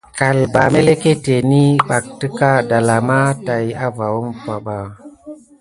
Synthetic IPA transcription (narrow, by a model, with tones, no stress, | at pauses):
ka˨lba̰˨me˦le˦ke˦te˨ni˦ɓa˨k̚ti˦ka˦˨da˨la˨ma˦ta˨ja˦va˨wu˦mfa˨ɓa˨